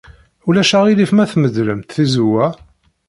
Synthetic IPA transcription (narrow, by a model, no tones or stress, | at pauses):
ulæʃæʁilifmæθməd̪ləmt̪θizuwæ